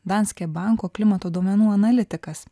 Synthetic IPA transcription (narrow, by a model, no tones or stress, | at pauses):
d̪ɑnʲsʲkʲɛbɑˑŋkoːklʲɪmɐt̪oːd̪oːmʲɛnuːɐnɐlʲɪt̪ʲɪkɐs